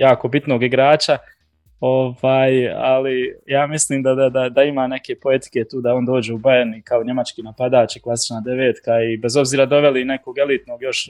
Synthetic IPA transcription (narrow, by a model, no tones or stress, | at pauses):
jaːko̞bit̪no̞ːɡiɡɾaːt͡ʃa | o̞vaːja̰lijaːmisliːmd̪ad̪ad̪ad̪aimaːne̞ke̞poe̞t̪i̥ke̞t̪uːd̪ao̞ːnd̪o̞ːd͡ʑeubaenikaoɲe̞mat͡ʃkiːnapad̪aːt͡ʃiklˠasi̥t͡ʃnaːd̪e̞ʋeːt̪kaibe̞zo̞bziːɾad̪o̞ʋe̞line̞koɡe̞lit̪noɡjo̞ʃ